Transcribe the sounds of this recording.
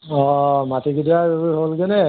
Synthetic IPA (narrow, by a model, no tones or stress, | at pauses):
ɔmatiɡidiaɹiɦolɡɛnɛ